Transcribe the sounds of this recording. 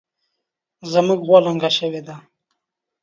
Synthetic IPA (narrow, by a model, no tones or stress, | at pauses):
zəmuɡɣwoləŋɡaʃəwed̪a